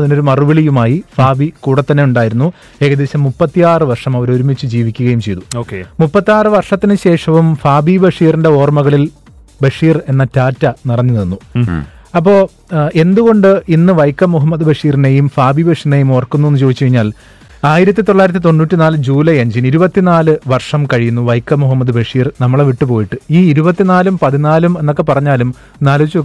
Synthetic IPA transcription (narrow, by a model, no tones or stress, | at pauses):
ɐðino̞ɾumɐruʋɐɭijumaːjifaːbikuːɽɐt̪ːɐnːeuɳɖaːjiɾunːu | e̞ːkɐd̪e̞ːɕɐmːupːɐt̪ːijaːrɨʋɐrʂɐmɐʋɐɾo̞ɾumet͡ɕːɨd͡ʑiːʋikʲːuɣɐjumt͡ɕe̞jt̪uoːkemupːɐt̪ːijaːrɨʋɐrʂɐt̪ːinɨɕe̞ːʂɐʋumfaːbibɐʂiːrinde̞o̞ːrmɐɣɐɭil | bɐʂiːre̞nːɐtaːtːɐnirɐnɲːininːu | ɐp̬ːo̞ː | e̞nd̪uɣo̞ɳɖɨinːɨʋɐjkːɐmːuɦɐmːɐd̪bɐʂiːrine̞jumfaːbibɐʂine̞jumoːrkːunːuenːut͡ɕoːit͡ɕːɐɻiɲːaːl | aːjiɾɐt̪̬ːit̪o̞ɭːaːjɾɐt̪̬ːit̪o̞nːuːtːinaːlɨd͡ʑuːlɐjeɲd͡ʑiniɾubɐt̪ːinaːlɨʋɐrʂɐmkɐɻijunːuʋɐjkːɐmuɦɐmːɐd̪ɨbɐʂiːrnɐmːɐɭeʋiʈːɨpo̞ːjiʈːɨiːiɾubɐt̪ːinaːlumpɐðinaːlume̞nːo̞kːe̞pɐrɐɲːaːlum | naːlt͡ɕːu